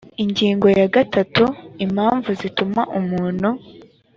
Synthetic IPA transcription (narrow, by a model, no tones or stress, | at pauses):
iɲɟiːŋɡo̞jaɡatatuim̤haːɱvuzitumaʔumuːnhu